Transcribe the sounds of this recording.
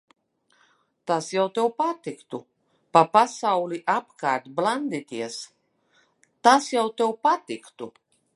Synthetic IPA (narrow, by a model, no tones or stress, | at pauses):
t̪asjawt̪ewpat̪ikt̪u | papasawlʲiʔapkaːɾt̪blˠand̪it̪ʲiɛs | t̪asjawt̪ewpat̪ikt̪u